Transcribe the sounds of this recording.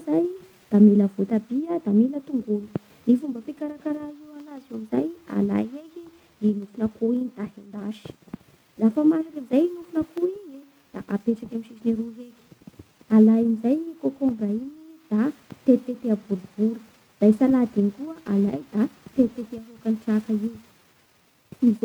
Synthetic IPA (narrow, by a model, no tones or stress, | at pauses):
zaj | d̪̥amiləvut̪abiəd̪amilət̪uŋɡulu̥ | nifumbəpikaɾakaɾaiwanazeamizaja̰la̰jeki | inufunəkuinid̪̥aɦend̪aʃi̥ | lafəmaʃakiizajinufunəkuiɲe | d̪̥aʔapeʈ͡ʂakamiʃisiniɾuɦeki̥ | alajinizajnikokorainid̪̥at̪et̪et̪eabuɾub̥uɾu̥ | d̪̥aisalad̪inikuəʔala̰jd̪̥at̪et̪et̪eaɦokanʈ͡ʂakaiw | izo